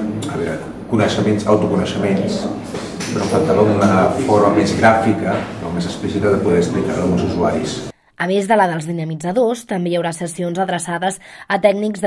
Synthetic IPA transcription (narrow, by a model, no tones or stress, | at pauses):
əβɛɾa̰ | kunəʃəmensawt̪ukunəʃəmens | pɾɔfəlt̪aβəunəfoɾməmezɣɾafikəɾɔ̰mezəspisit̪əðəpuðɛst̪ɾik̪a̰ɾəlˠɣunzuzuaɾis | əmezðələðəlˠzðinəmid͡zəðost̪əmbejəwɾasəsionzəðɾəsaðəzət̪ɛɡnikzð